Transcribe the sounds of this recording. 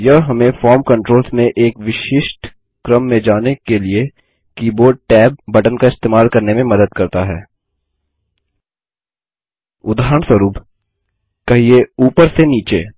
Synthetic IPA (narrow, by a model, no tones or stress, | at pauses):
jɐɦɦɐmẽfɔːɾmkɐ̃ɳʈɾoːlsmẽʔeːkʋɪʃɪʃʈ | kɾəmːẽd͡ʒaːnekelie | kiːboːʈɛːb̚ːɐʈənkaɪst̪eːmaːlkɐɾnemẽmɐd̪əd̪kɐɾt̪aɦɛ̰ː | ʊd̪aːɾəɳswəɾuːp | kɐɦieuːpəɾseniːt͡ʃḛː